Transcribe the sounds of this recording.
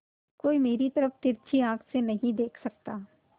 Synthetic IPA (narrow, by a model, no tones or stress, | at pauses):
koːimeːɾit̪ɐɾəft̪ɪɾt͡ʃʰiãːkʰsenɐɦĩd̪eːkʰsɐk̚t̪aː